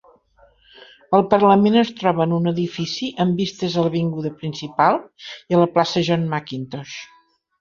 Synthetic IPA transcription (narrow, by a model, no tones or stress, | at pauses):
əlˠpərləmenəst̪ɾɔβəːnunəðifisiʔəmbist̪əzələβiŋɡuðəpɾinsipalˠiələplasəʒɔnmakint̪ɔʃ